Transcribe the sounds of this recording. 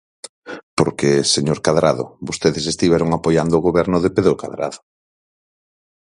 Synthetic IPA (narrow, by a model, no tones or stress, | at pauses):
poɾkeseɲoɾkaðɾa̰ðʊ̰bost̪eðɪsest̪iβɛɾʊŋapojand̪oːɣoβɛɾnʊðepeðɾokaðɾa̰ðʊ̥